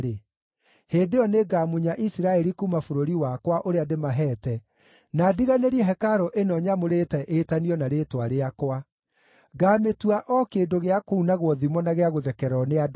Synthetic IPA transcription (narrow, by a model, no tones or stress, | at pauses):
ɾe | heːndeɔneɡaːmuɲaʔisiɾaɛɾikumafoɾoɾiwakwaʔoɾeademaɦɛːtɛ | nadiɣaneɾiɛɦɛkaɾɔʔenɔɲamoɾetɛʔetaniɔnaɾetwaɾeakwa | ɡaːmetuaʔɔkeːndoɣeakounaɣwɔðimɔnaɣeaɣoðɛkɛɾɔnead